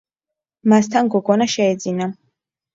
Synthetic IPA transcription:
mast̪ʰanɡɔɡɔnaʃɛɛd̪zina

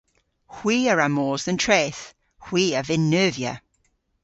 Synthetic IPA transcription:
hw̥iːəɹamɔːzðə̃ntʰɹ̥eːθ | hw̥iːəvɪnːøːvjə̰

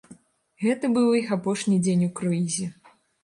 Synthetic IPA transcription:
ɣɛt̪ɐbɨwixapɔʂnʲid͡zʲenʲukɾɔizʲɛ

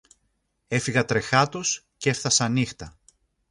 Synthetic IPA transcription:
e̞fiɣɐt̪ɾe̞xɐt̪os | ce̞fθɐsɐnixt̪ɐ

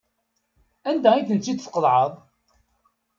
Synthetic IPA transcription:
ænd̪æiθənt͡sːid̪θqəlʕəðˤ

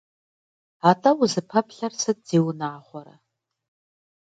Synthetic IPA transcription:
atʰʼɐwuzɨpʰɐpʰɬɐrsɨt̚z̥iːwnaːχʷɔɾɐ̰

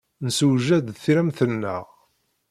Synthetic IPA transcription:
nəsəʒæd̪θiɾæmθənːæ̰ʁ

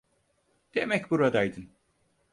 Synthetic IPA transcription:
d̪̥e̞mɛcbuɾad̪ajd̪ɯn

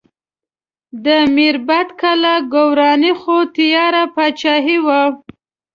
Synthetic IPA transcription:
d̪əmiɾbat̪kalaɡowɾɑnixot̪ijɑɾapat͡ʃɑɦiwa

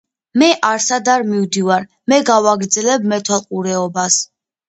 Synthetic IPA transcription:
mɛʔaɾsad̪aɾmivd̪ivaɾ | mɛɡavaɡɾd̪zɛlɛb̚mɛt̪ʰwalˠqʼuɾɛɔbas

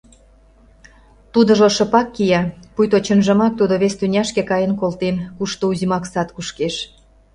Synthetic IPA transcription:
t̪ud̪ə̆ʒoʃə̆pɑkːijɑpujt̪ot͡ɕənʒə̆mɑk̚t̪ud̪oβest̪ynʲɑʃkĕkɑjə̆nkolt̪enkuʃt̪ouzimɑksɑt̪kuʃkeʃ

